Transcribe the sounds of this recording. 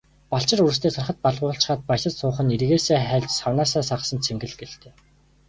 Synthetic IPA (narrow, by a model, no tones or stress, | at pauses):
paɬt͡ɕɪ̆ruɾ̆st̪ʰeːsʊ̆rχə̆t̪̚paɮʁʊːɬt͡ɕ̆χaːt̪̚pajsə̆t̪sʊːχə̆nerɣeːsæːχæːɮʲt͡ɕsawnaːsaːsaʁsə̆nt͡sʰemɡɘ̆ɮɡeɬt̪eː